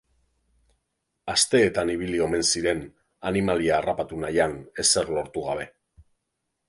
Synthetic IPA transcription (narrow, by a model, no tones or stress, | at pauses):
ast̪e̞ːt̪aniβ̞ilio̞me̞nsiɾe̞n | animaliaːrapat̪unajane̞se̞ɾlo̞ɾt̪uɣ̞aβ̞e̞